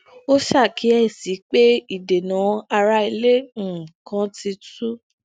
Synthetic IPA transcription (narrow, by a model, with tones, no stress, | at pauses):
o˦ʃa˦˨ki˨˦ɛ˦˨si˨˦k͡pe˦i˦˨de˨nã˨˦a˧ɾa˧i˧lẽ˦˨kã˧˦ti˧tu˦